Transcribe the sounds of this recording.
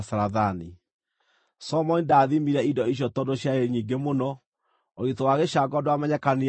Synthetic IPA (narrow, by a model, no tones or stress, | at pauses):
saɾaðani | sɔmɔnidaːðimiɾɛidɔiɕ̬jɔtɔdoɕjaeɲiːɡemonɔ | oɣitowaɣeɕaɡɔdoamɛɲɛkane